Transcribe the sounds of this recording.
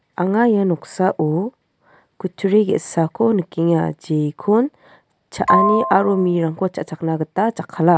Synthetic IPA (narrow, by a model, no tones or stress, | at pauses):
aŋajənɔk̚saʔu | kutʰuɾiɡḛtsakʰɔnɯkiŋad͡ʒejkʰun | t͡ʃʰaʔaniʔaɾumiɾaŋkʰɔt͡ʃʰaʔt͡ʃak̚naɡətat͡ʃakʰːala